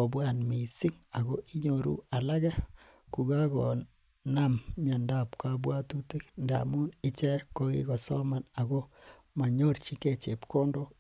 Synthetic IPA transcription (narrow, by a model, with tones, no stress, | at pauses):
ɔ˨bwa˦˨nmi˨sɪ˦ŋa˨ɣɔ˦ʔi˦ɲo˨ɾṵ˦a˨la˦ɣa˦ | ku˨ɡa˦ɡɔ˨ | na˦mmja˨nda˦pka˦bwa˦tu˦te˦knda̰˨mu˦nɪ˦t͡ʃɛ˦ko˦ɡḭ˦ɡɔ˨sɔ˦ma˨na˨ɣɔ˦ | ma˨ɲo˦rt͡ʃi˦ke˨t͡ʃe˨pkɔ˦ndo˦